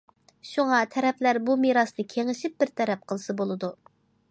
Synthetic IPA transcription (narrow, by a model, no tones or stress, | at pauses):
ʃuŋɑt̪ʰɛɾɛplæɾbumiɾɑsnɨkʲʰeŋɪʃɪp̚bɪɾt̪ʰɛɾɛp̚qʰəlˠɨsɨbolˠɨd̪u